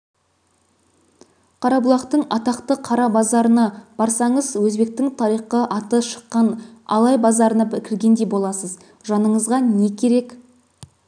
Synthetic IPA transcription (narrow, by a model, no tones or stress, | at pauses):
qʰɑɾɑbʊlˠɑqt̪əɴɑt̪ɑqt̪əqʰɑɾɑbɑzɑɾənɑb̥ɑɾsɑɴəzwɵzbe̞k̚t̪ɪŋt̪ʰɑɾijχqəʔɑt̪əʃə̥qːɑnɑ̰lˠɑjbɑzɑɾənɑbɪkʲʰɪɾɡʲe̞nd̪e̞bo̞lˠɑsəz | ʒɑnəɴəzʁɑne̞kʲʰe̞ɾe̞k